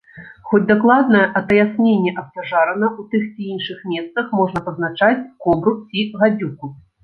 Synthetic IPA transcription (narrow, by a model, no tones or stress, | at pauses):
xɔd͡zʲd̪aklˠad̪nɐjɛʔɐt̪ɐjasʲnʲenʲːɛʔɐst̪aʐaɾɐnɐut̪ɨxt͡sʲiinʂɨxmʲɛst̪sɐxmɔʐnɐpɐznat͡ʂat͡sʲkɔbɾut͡sʲiɣad͡zʲuku